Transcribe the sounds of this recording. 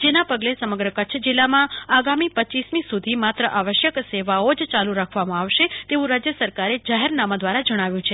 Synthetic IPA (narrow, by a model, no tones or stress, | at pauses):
d͡ʒenapəɡlesəməɡɾəkət͡ʃʰd͡ʒɪlːamãaɡamipət͡ʃismĩsud̪ʱimat̪ɾəʔaʋəʃjəkseʋaod͡ʒt͡ʃaluɾakʰʋamãaʋʃet̪eʋũɾad͡ʒjəsəɾkaɾed͡ʒaɦeɾnamad̪ʋaɾad͡ʒəɽ̃aʋjũt͡ʃʰe